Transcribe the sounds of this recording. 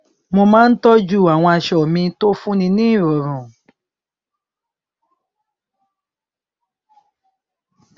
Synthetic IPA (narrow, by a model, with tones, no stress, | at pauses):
mo˧mãː˦n̩˦tɔ˦d͡ʒu˦˨a˨w̃ɔ̃˧a˧ʃɔ˨mĩ˧to˦fũ˦nĩ˧nĩ˦˨ɾɔ˨ɾũ˨